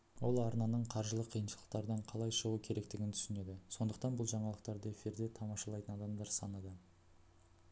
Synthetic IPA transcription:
wo̞lˠɑɾnɑnəɴqʰɑɾʒəlˠəqʰːijənʃəlˠəq̚t̪ɑɾəd̪ɑɴqʰɑlˠɑjʃəʁuəkʲʰe̞ɾe̞kt̪ɪɡʲɪnt̪ʰʏ̥sɪne̞d̪ɪso̞nd̪əq̚t̪ɑnbʊlˠʒɑɴɑlˠəq̚t̪ɑɾd̪əefʲiɾd̪e̞t̪ʰɑmɑʃɑlˠɑjt̪ənɑd̪ɑmd̪ɑɾsɑnɑd̪ə

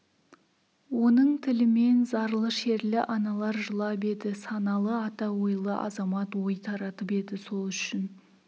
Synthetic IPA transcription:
wo̞nəɴt̪ʰɪlɪme̞nzɑɾlˠəʃe̞ɾlɪʔɑnɑlˠɑɾʒəlˠɑp̬e̞d̪ɪsɑnɑlˠəɑt̪ɑwo̞jlˠəʔɑ̰zɑmɑt̪wojt̪ʰɑɾɑt̪əpe̞d̪ɪso̞lˠʏʃɪn

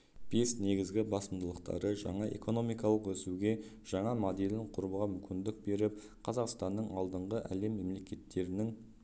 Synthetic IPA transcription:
b̥e̞sne̞ɡʲɪzɡʲɪbɑsəmd̪əlˠəqt̪ɑ̰ɾəʒɑ̰ɴɑe̞̰ko̞no̞mijkɑlˠəqwɵsuɡʲe̞ | ʒ̥ɑɴɑmod̪elɪɴqʰʊɾuəʁɑmʏmkʲɪnd̪ɪk̚be̞ɾɪp̚ | qʰɑzɑqst̪ɑnːəɴɑlˠd̪əɴʁəʔæ̰le̞mːe̞mle̞kʲe̞t̪ːe̞ɾɪnɪŋ

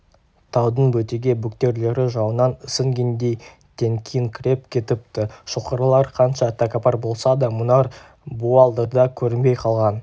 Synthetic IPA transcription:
t̪ʰɑwd̪əɴbɵt̪eɡʲe̞bʊkt̪e̞ɾle̞ɾɪʒɑwənɑnəsəŋɡʲend̪e̞j | t̪ʰe̞ŋkʲʰijɪŋkʲʰɾʲe̞p̚kʲʰe̞t̪ɪp̚t̪ɪʃoqəɾəlˠɑɾqʰɑnʃɑt̪ʰakapɑɾbo̞lˠsɑd̪ɑmʊnɑɾ | buɑlˠd̪əɾd̪ɑkʲʰɵɾɪnbe̞jqʰɑlˠʁɑn

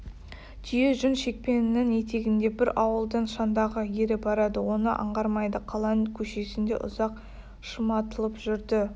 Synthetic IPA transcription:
ʒije̞ʒʏnʃe̞k̚pe̞nɪnɪŋe̞t̪e̞ɡʲɪnd̪e̞bɪɾɑwəlˠd̪əɴʃɑnd̪ɑʁəje̞ɾɪbɑɾɑd̪əwo̞nə̰ʔɑ̰ɴʁɑɾmɑjd̪əqʰɑlˠɑkʲʰɵʃe̞sɪnd̪e̞̰ʔʊ̰zɑq | ʃəmɑt̪əlˠəpʒʏɾd̪ɪ

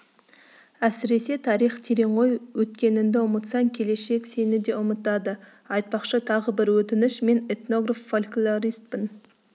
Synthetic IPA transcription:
æsɪɾe̞se̞t̪ʰɑɾijχt̪ʰeɾe̞ɴʁo̞jwɵt̪kʲe̞nɪnd̪eʊmət̪sɑŋkʲʰe̞le̞ʃe̞kse̞nɪd̪e̞ʊmət̪ɑd̪ə | ɑjt̪̚pɑqʃət̪ʰɑʁəbɪɾwɵt̪ɪnɪʃme̞net̪no̞ɡrafːolʲkulˠaɾijst̪̚pɪn

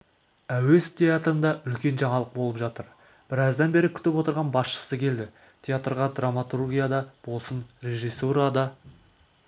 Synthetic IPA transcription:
æwe̞sp̚t̪ʰʲeat̪ɾənd̪ɑʔʏlkʲe̞nʒɑɴɑlˠəq̚bo̞lˠəpʒɑt̪əɾ | b̥ɪɾɑzd̪ɑnbe̞ɾɪkʲʰʏ̥t̪ɪpwo̞t̪əɾʁɑnbɑsʃə̥səkʲʰe̞ld̪ɪ | t̪ʲʰeat̪rʁɑd̪ramat̪urɡʲijad̪ɑb̥o̞lˠsənre̞ʒijsuɾɑd̪ɑ

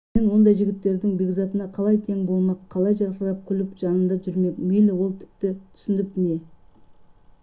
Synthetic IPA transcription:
enwo̞nd̪ɑjʒɪɡʲɪt̪ːe̞ɾd̪ɪŋbeɡzɑt̪ənɑqʰɑlˠɑjt̪ʰe̞ŋbo̞lˠmɑqʰːɑlˠɑjʒɑɾqəɾɑp̚kʲʰʏlɪpʒ̥ɑnənd̪ɑʒʏɾme̞melɪwo̞lˠt̪ʰɪ̥p̚t̪ɪt̪ʰʏ̥sɪnɪp̚ne̞

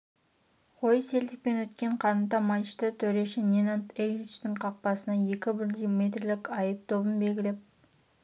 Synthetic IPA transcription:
ʁojseld̪ɪk̚pe̞nwɵt̪kʲe̞ɴqʰɑɾənt̪ɑmɑjʃt̪ət̪ʰɵɾe̞ʃɪnʲenant̪eɡɾit͡ʃt̪ɪŋqʰɑq̚pɑsənɑje̞kʲɪbɪɾd̪ijmʲet̪rlɪkʲɑjəp̚t̪ʰo̞bənbe̞lɡʲɪlep̚

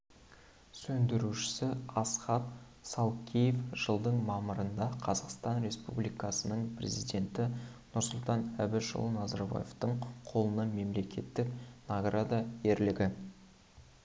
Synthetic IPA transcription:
sɵnd̪ɪɾuʃɪ̥sɪɑsχɑt̪̚ | sɑlˠkʲʰejefʒ̥əlˠd̪əɴmɑməɾənd̪ɑqʰɑzɑqst̪ɑnɾe̞spṵblijkɑsənəɴpʰrʲe̞̰zijd̪e̞nt̪ɪnʊɾsʊlˠt̪ɑnæbɪʃʊ̰lˠnɑzɑɾba̰jḛft̪əɴqʰo̞lˠənɑme̞mle̞kʲe̞t̪ːɪknaɡrad̪ɑje̞ɾlɪɡʲɪ

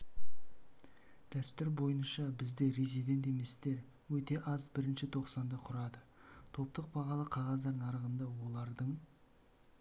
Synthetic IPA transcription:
d̪̥æst̪ʏɾbo̞jənʃɑbɪzd̪e̞ɾezid̪e̞nt̪e̞me̞st̪e̞ɾ | wɵt̪e̞ʔɑzbɪɾɪnʃɪt̪ʰo̞qsɑnd̪ɑqʰʊɾɑd̪ət̪ʰo̞p̚t̪əq̚bɑʁɑlˠəqʰɑʁɑzd̪ɑɾnɑɾəʁənd̪ɑwo̞lˠɑɾd̪əɴ

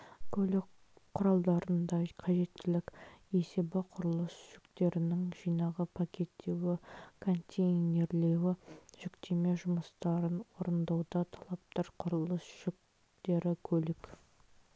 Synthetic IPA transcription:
kʲʰɵlɪk | qʰːʊɾɑlˠd̪ɑɾənd̪ɑqʰɑʒe̞t̪ːɪlɪke̞se̞bɪqʰʊɾəlˠəsʒ̥ʏkt̪e̞ɾɪnɪŋʒ̥ijnɑʁəpʰakʲʰe̞t̪ːe̞wɪkʰo̞nt̪ʲejnʲe̞ɾle̞wɪʒʏkt̪e̞me̞ʒʊməst̪ɑɾənwoɾənd̪ɑwd̪ɑt̪ʰɑlˠɑp̚t̪ɑɾqʰʊɾəlˠəsʒ̥ʏk̚ | t̪e̞ɾɪkʲʰɵlɪk

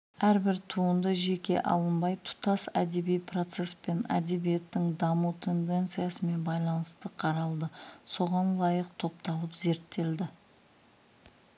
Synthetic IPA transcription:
æɾbɪɾt̪ʰuənd̪əʒe̞kʲe̞̰ʔɑ̰lˠəmbɑjt̪ʰʊ̥t̪ɑsæd̪e̞bijpʰro̞t̪se̞spe̞næ̰d̪e̞bije̞t̪ːɪŋd̪ɑmut̪ʰe̞nd̪e̞nt̪sɨjasəme̞nbɑjlˠɑnəst̪əqʰɑɾɑlˠd̪əso̞ʁɑnlˠɑjəqt̪ʰo̞pt̪ɑlˠəpze̞ɾt̪ːe̞ld̪ɪ

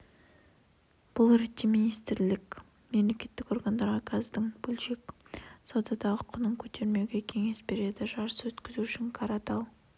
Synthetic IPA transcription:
b̥ʊlˠɾet̪ʲːiminijst̪ɾlɪkʲ | me̞mle̞kʲe̞t̪ːɪko̞rɡand̪ɑɾʁɑkʰɑzd̪ɪŋbɵlʃe̞ksod̪ɑd̪ɑəqʰʊnəŋkʲʰɵt̪ʰe̞ɾme̞wɡʲe̞kʲʰe̞ŋe̞sbe̞ɾe̞d̪ɪʒɑɾəswɵt̪kʲɪzuʏʃɪŋkʰɑɾɑt̪ɑlˠ

